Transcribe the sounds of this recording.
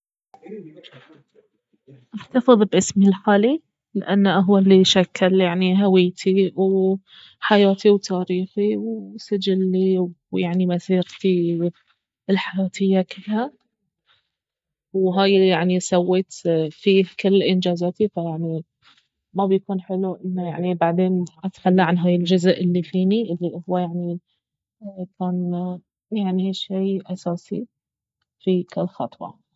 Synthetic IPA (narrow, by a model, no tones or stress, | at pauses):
ʔaħt̪ɑfɨðˤbʔɪsmilħaːli | lɪʔanːʔaɦwalːiʃakːaljaʕniɦawɪjt̪ʰiw | ħajaːt̪iwt̪ʰaːɾiːxiwsad͡ʒɪlːiwjaʕnimasiːɣt̪i | ɪlħajaːt̪ʰɪjːakɪlha | wɦaːjjaʕnisawːeːt̪fiːkɪlːʔɪnd͡ʒaːzaːt̪ifajaʕni | mabjakuːnħɪluʔɪnːaja̰ʕnibaʕd̪eːnʔat̪xalːaʕanɦaːjɪld͡ʒʊzʔɪlːifiːniʔɪlːihʊwːajaʕni | kʰaːn | jaʕniʔeːʃːeːʔɑsaːsḭ | fikɪlːxɑt̪ˤwɑ̰